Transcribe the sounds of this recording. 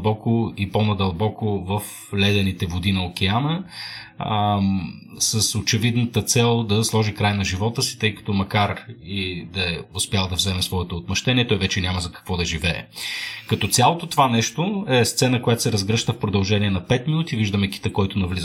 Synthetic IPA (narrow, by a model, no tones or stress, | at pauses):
bɔkʊiponɐd̪ɐlˠbɔkʊvəf | lɛd̪ɛnit̪ɛvod̪inɐok̟ɛanə | səsot͡ʃɛvid̪nət̪ət̪sɛlˠd̪ɐslˠɔʒikɾajnɐʒivɔt̪əsi̥t̪ɤjkɐ̥t̪ɔmɐkaɾid̪ɐɛʊspjalˠd̪ɐvzɛmɛsvɔɛt̪oːt̪mɐʃt̪ɛniɛt̪ɔjvɛt͡ʃɛnʲaməzɐkɐ̥kvɔd̪ɐʒivɛ̰ːkɐt̪ɔt̪sʲjalˠot̪ot̪ovanɛʃt̪oɛst̪sɛnəkojat̪o̥sɛɾɐzɡɾɤʃt̪əfpɾod̪ɐlˠʒɛniɛnɐpɛt̪minut̪iviʒd̪əmɛk̟i̥t̪əkɔjt̪ʊnɐvliz